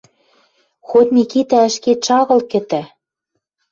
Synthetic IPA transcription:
xot̪mikit̪æɘ̆ʃket̪ʃɑɣɤ̆lkɘ̆t̪æ

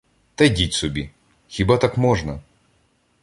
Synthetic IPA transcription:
t̪ɐjdʲitʲsɔbʲi | xʲibat̪akmɔʒnɐ

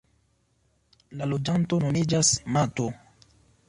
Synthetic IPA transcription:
lalod͡ʒanto̞no̞mid͡ʒasmato

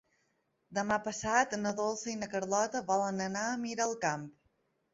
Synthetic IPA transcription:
d̪əmapəsat̪nəðolˠsəinəkəɾlɔt̪əβɔlənənaəmiɾəːlˠkamp̚

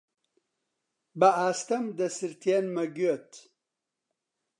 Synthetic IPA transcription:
bɐaːst̪ɐmd̪ɐsɨɾt̪ʰienmɐɡyɐt̪

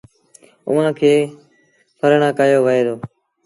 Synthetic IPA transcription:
ʊʋãːkʰeː | pʰəɾɳãːkaːjoːʋəɦeːɾoː

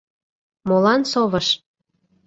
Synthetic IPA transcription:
molɑnsoβə̆ʃ

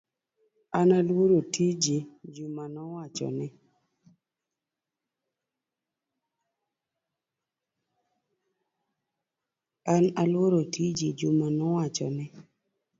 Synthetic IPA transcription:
analwoɾotid͡ʒed͡ʒumanɔwat͡ʃɔ̰nɪ | analwoɾotʰid͡ʒed͡ʒumanɔwat͡ʃɔ̰nɪ

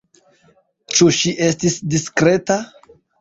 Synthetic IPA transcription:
t͡ʃuʃiʔe̞stisdiskɾe̞ta

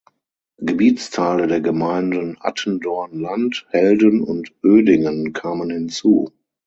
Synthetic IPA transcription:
ɡ̥əbiːt͡stʰaɪlədeːɐɡəmaɪndənʔa̰tʰən̩dɔɐnlanthɛldənʊ̰ntʔøːdɪŋənkʰaːmənhɪnt͡sṵː

